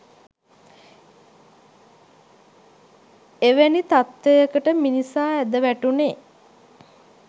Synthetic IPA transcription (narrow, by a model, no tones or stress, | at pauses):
eʋenit̪at̪ːejəkəʈəminisaːæd̪əʋæʈune